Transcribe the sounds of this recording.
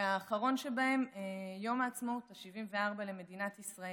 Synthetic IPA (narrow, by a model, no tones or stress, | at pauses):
aːχaʁo̞nʃebae̞mejo̞maːt͡smotaʃivimveaʁbaleme̞dinat̪isʁae